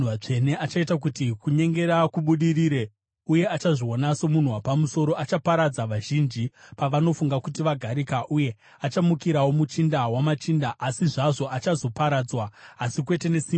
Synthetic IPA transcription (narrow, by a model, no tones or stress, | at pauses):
at͡ʂe̞ne̞ʔat͡ʃaitak̬utikuɲe̞ŋɡe̞ɾakuɓuɗiriɾe | uje̞at͡ʃaʐionaso̞mun̤uwapamuso̞ɾo̞ʔat͡ʃapaɾad͡zaʋaʒind͡ʒipaʋano̞fuŋɡakutiʋaɡʱaɾikaʔuje̞ | at͡ʃamukiɾawo̞mut͡ʃindawamat͡ʃindaʔːsiʐaʐo̞ʔat͡ʃazo̞paɾad͡zwaːsikwe̞te̞ne̞si